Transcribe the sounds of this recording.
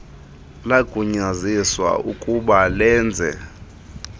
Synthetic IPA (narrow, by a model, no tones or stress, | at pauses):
laɡ̥ʱuɲaziswa̰ukʼuɓalɛːnd͡zʱɛ̰